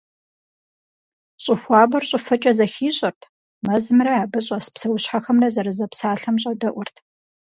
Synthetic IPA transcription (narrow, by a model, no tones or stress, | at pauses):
ɕʼɪxʷɑːbɐrɕʼɪfɐt͡ʃʼɐzɐxiːɕʼɐrtʰ | mɐzɨmrɐaːbɐɕʼɐsɨ̥psɐwʊɕħaxɐmrɐzɐɾɨzɐpsaːɬɐmɕʼɐdɐʔʷʊrtʰ